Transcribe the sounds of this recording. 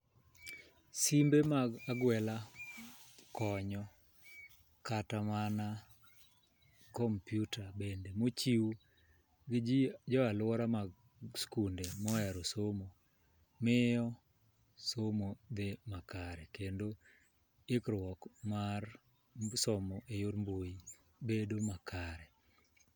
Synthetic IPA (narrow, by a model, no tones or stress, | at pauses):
simbemaɡaɡwɛla | kɔɲɔ | katamana | kɔmpjutabendemot͡ʃiwu | ɡɪd͡ʒid͡ʒɔalɔɾamaɡ | skundemɔɛɾɔsomo | mɪjɔ | somod̪emakaɾɛkendo | ɪkɾwɔkmar | sɔmɔʔejoɾmboji | bedomakʰaɾɛ